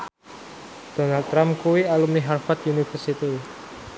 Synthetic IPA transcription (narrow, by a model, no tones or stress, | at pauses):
d̪̥ɔ̤nalt̪ːɾamkuwialumniɦarfat̪junifərsit̪i